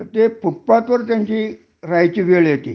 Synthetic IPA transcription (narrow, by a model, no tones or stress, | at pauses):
t̪eːppupːɑːt̪ʋort̪ent̪i | ræit̪ʲiʋyølet̪ḭ